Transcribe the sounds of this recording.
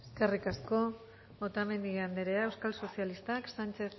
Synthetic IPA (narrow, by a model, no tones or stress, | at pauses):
eskerikasko̞ | βot̪ame̞nd̪iand̪eɾeaewskalso̞sialist̪aksant͡ʃe̞θ